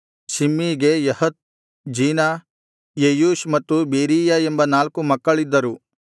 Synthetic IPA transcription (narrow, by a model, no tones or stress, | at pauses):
ʃimːiːɡe̞jɐhɐt̪̚ | d͡ʒiːna | jejuːʃmɐt̪ːubeːɾiːjaembɐnaːlkumɐkːɐɭid̪ːɐɾu